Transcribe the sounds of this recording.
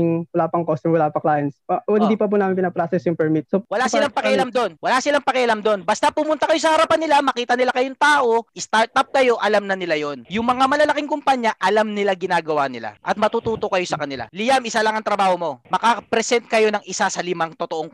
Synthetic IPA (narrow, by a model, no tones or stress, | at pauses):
ŋwɐlaːpɐŋkost̪ʊŋwɐlaːpɐklaːjɐnsɐd̪ipɐp̬unaːmɪnpɪnɐpɾasɛsjʊŋpɛɹmit̪̚sowɐlasɪlaŋpɐkɪʔɐlamd̪onwɐlasɪlaŋpɐkɪʔɐlamd̪o̞nbɐst̪apʊmʊnt̪ɐkɐjo̞s̬ɐhɐɾɐpanːɪlamɐkiːt̪ɐnɪlakɐjoŋt̪aːʔo̞ʔɪst̪aɹt̪ɐp̚kɐjo̞ʔɐlamnɐnɪlajo̞njʊŋmɐŋamɐlɐlɐkɪŋkʊmpaɲjaʔɐlamnɪlaɡɪnaːɡɐwanɪla̰ʔɐt̪̚mɐt̪uːt̪uːt̪o̞kɐjo̞sɐkɐnɪla̰lɪjamɪsalɐŋɐŋt̪ɾɐbaːho̞mo̞mɐkapɾɛsɛnt̪̚kɐjo̞nɐŋɪsasɐlɪmaŋt̪ot̪oʔoŋ